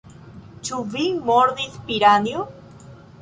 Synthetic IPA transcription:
t͡ʃuvimoɾdispiɾanjo

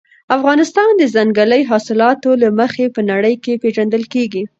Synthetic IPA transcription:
afɣɑnɪst̪ɑnd̪əzaŋɡələjɦɑsɪlɑt̪olaməxepənaɽəjkepeʒand̪əlkeɡi

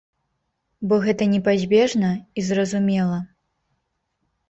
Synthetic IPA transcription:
bɔɣɛt̪ɐnʲɛpazʲbʲɛʐnɐizrɐzumʲɛlˠɐ

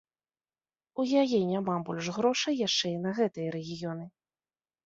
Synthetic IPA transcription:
ujajɛnʲamabɔlʲʐɣɾɔʂɐjːaʂt͡ʂɛinɐɣɛt̪ɨjɐɾɛɣʲijɔnɨ

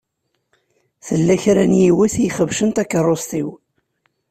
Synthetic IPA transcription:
θəlːæçɾænjiwiθjiχəvʃənt̪ækːərˤːost̪iw

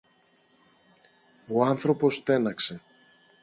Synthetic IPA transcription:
o̞ɐnθɾo̞po̞st̪e̞nɐkse̞

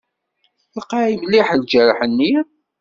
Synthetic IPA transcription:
lqːɑʕimlːiħld͡ʒəɾħənːi

